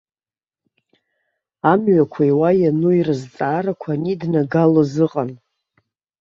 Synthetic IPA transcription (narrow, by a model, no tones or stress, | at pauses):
amɥakʷʰajwajanuirɨzt͡sʼaːɾakʷʰanidnaɡalozɨqʼan